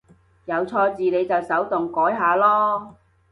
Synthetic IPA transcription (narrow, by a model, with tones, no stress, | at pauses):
jɐ˨˧wt͡sʰɔː˧t͡siː˨ne˨˧jt͡sɐ˨wsɐ˨˥wt̪ʊ˨ŋkɔː˨˥jɦaː˨˧lɔː˥